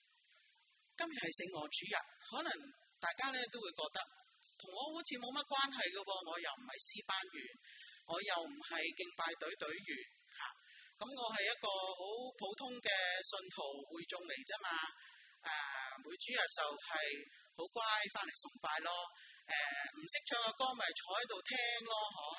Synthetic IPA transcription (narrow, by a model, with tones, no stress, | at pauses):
kɐ˥mjɐ˨˩hɐ˨jsɪ˧ŋŋɔː˨˧t͡syː˨˥jɐ̰˨t̚hɔː˨˥lɐ˨˩ŋ | t̪aː˨jkaː˥lɛː˥t̪o˥wuː˨˧jkɔː˧k̚t̪ɐ˥k̚ | t̪ʰʊ˨˩ŋːɔː˨˧ho˨˥t͡sʰiː˨˧mo˨˧wmɐ˥t̚kʷwaː˥nɦɐ˨jɡɐː˧wɔː˧ŋɔː˨˧jɐ˨wm̩˨˩hɐ˨jsiː˥paː˥njyː˨˩nŋɔː˨˧jɐ˨wm̩˨˩hɐ˨jkɪ˧ŋpaː˧jt̪ɵ˨˥ɥt̪ɵ˨˥ɥjyː˨˩n | ha̰ː˨˩kɐ˨˥mŋɔː˨˧ɦɐ˨jːɐ˥t̚kɔː˧ɦo˨˥wpʰo˨˥wt̪ʰʊ˥ŋkɛː˧sɵ˧nt̪ʰo˨˩wwuː˨jt͡sʊ˧ŋle˨˩jt͡sɛː˥maː˧ | ʔɛː˨˧muː˨˧jt͡syː˨˥jɐː˨˩p̚t͡sɐ˨whɐ˨j | ho˨˥wkʷaː˥jfaː˥nle˨˩jsʊ˨˩ŋpaː˧jlɔː˥ʔɛː˨˩m̩˨˩sɪ˥k̚t͡ʃʰœː˨˧˥ŋkɔ˧kɔː˥ŋm˨ɐ˨˩jt͡ʃʰɔː˨˧˥hɐ˨˦jt̪o˨wt̪ʰɛː˥ŋlɔː˥ɦɔː˨˥